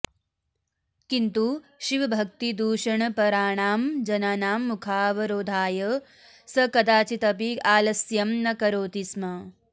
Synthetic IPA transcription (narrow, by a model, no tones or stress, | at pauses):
kint̪uʃiʋɐbʱɐk̚t̪id̪uːʃɐɳɐpɐɾaːɳaːmd͡ʒɐnaːnaːmːukʰaːʋɐɾoːd̪ʱaːjɐ | sɐkɐd̪aːt͡ʃit̪ɐpiaːlɐsjɐmnɐkɐɾoːt̪ismɐ